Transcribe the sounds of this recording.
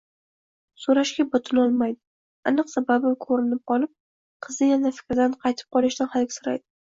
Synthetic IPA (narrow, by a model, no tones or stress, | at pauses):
soɾaʃɡʲabot̪ʰɪnɒlˠmajd̪ɪ | a̰nɨqsababɪmkʰɵɾɪnɪp̚qʰɒlˠɪp̚ | qʰɨzɪjanafɪ̥kʲɾɪd̪anqʰɑjt̪ʰɪ̥p̚qʰɒlˠɪʃd̪anhalɡʲɪsʊɾa̰jd̪ɪ